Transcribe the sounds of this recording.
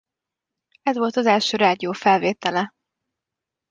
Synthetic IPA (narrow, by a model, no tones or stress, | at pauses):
ɛzʋo̞lt̪ɒzɛlʃøːɾaːd̪ijoːfɛlveːt̪ɛlɛ